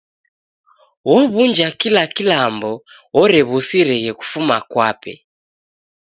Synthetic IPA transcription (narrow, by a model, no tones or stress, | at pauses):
wɔβund͡ʒakilakilambɔ | wɔɾɛβusiɾɛɣɛku̥fumakwapɛ̰